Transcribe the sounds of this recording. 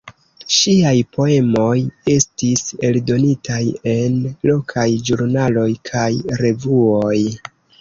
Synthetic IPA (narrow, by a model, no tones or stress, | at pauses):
ʃiajpo̞e̞mo̞je̞stise̞ldo̞nitʰaje̞nlo̞kʰajd͡ʒuɾnalo̞jkʰajɾe̞vuoj